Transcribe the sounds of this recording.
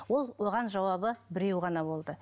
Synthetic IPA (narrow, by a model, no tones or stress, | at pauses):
wo̞lˠwo̞ʁɑnʒɑwɑβəbɪɾe̞wʁɑnɑbo̞lˠd̪ə